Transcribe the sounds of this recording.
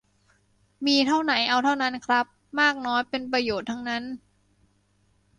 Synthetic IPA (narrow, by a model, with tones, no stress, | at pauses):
miː˧t̪ʰa˥˩wna˩˦jʔa˧wt̪ʰa˥˩wna˦˥nkʰɾa˦˥p̚maː˥˩k̚nɔː˦˥jpe˧npɾa˧joː˨˩t̪ʰːa˦˥ŋna˦˥n